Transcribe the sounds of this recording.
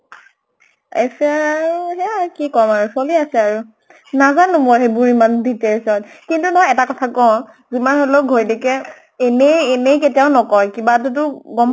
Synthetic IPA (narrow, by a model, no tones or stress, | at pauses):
ḛsɛaaɹuɦɛkikɔmaɹusoliasɛaɹu | nazanumɔɦebuɹimandʱitɛɹsɔt | kintunɔjɛtakɔtʰakɔw̃ | zimanɦoloɡʱojlɛkɛː | nejːnejk̬etiaʊnɔkɔjkibat̬ut̬ʊɡɔm